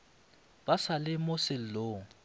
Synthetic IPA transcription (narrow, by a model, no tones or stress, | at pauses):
b̥asalɪmʊsɪl̩loːŋ̩